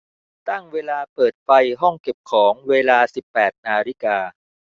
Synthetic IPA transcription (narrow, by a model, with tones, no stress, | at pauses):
t̪a˥˩ŋweː˧laː˧pɤː˨˩t̪̚fa˧jɦɔ˥˩ŋke˨˩p̚kʰɔː˩˦ŋweː˧laː˧si˨˩pːɛː˨˩t̪̚naː˧ɾi˦˥kaː˧